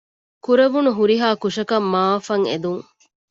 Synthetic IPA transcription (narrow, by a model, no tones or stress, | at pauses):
kuɾɐʋunuɦuɾiɦaːkuʂɐkɐmːaːfɐŋḛd̪uŋ